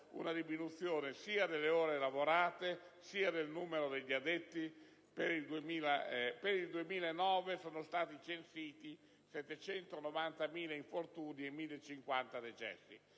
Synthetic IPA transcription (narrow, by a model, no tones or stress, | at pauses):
ṵnad̪iminut̪sːjoːnesiːad̪elːeoːɾeːlavoɾaːt̪e | siːad̪elnuːmeɾod̪eʎːiad̪et̪ːi | peɾild̪uemiːlapeɾild̪uemiːlaenɔːvesoːnost̪aːt̪it͡ʃensiːt̪i | sɛt̪ːet͡ʃɛnt̪onɔvant̪amiːlaiɱfort̪uːniemːilːet͡ʃːiŋkwant̪ad̪et͡ʃɛ̰sːḭ